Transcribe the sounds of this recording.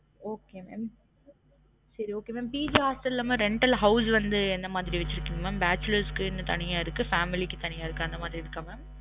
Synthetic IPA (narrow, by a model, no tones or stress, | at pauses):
oːkeːmḛːm | sɐɾioːkeːmeːmpiːd͡ʒiɦaːsʈɐllaːmãːɾɛɳʈɐlɦɐʊs̬ʋɐnd̪ɯɛnd̪ɐmaːðɪɾiʋɛt͡ʃːɪɾɯkːɪŋɡɐmaːmbaːt͡ʃːʊlɐɾskːɯɪnːɐt̪ɐ̰nɪjaːɪɾɯkːɯfaːmɪlɪkːɯt̪ɐɳɪjaːɪɾɯkːɯ̃ɐnd̪ɐmaːðɪɾiɪɾɯkːãmaːm